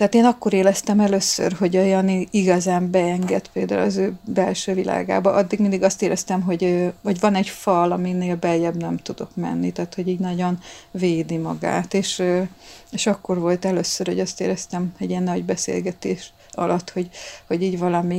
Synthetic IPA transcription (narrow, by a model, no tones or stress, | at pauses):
t̪ɛɦaːt̪eːnɒkːo̞ɾeːlɛst̪ɛmɛløsːø̰rɦo̞ɟojɒniiɡɒzaːmbɛɛŋɡɛt̪peːld̪a̰ːulɒzøːbɛlʃøːvila̰ːɡa̰ːbɒʔɒd̪ːiɡmind̪iɡɒst̪eːlɛst̪ɛmɦo̞ɟvɒɟvɒnɛɟfɒlɒmineːlbɛjɛbnɛmt̪ud̪o̞̰kmɛ̰nːit̪aːt̪ho̞ɟiːɟnɒɟo̞nveːd̪imɒɡa̰ːt̪eːʃ | eːʃɒkːo̞rvo̞lt̪ɛløsːørhoɟɒst̪ḛːlɛst̪ɛmɛɟiɛnːɒɟbɛsḛːlɡɛt̪ḛːʃ | ɒ̰lɒt̪ːho̞ɟho̞ɟiːɟvɒlɒmi